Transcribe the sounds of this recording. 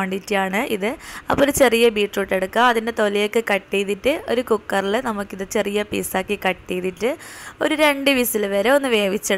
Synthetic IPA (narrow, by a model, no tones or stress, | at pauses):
ɐɳɖitːijaːɳɨʔiðɨɐ̰pːoːɾt͡ɕe̞rijɐbiːʈruʈːe̞ɽukːamɐðindet̪o̞lijokːɨkɐʈːijðitːɨo̞ɾukukːɐrilɨnɐmukːiðɨt͡ɕe̞rijɐpḭːsaːkːikɐʈːijðitːɨo̞ɾuɾe̞ɳɖɨʋisilʋeːɾeo̞nːɨʋe̞ːʋit͡ɕːɐ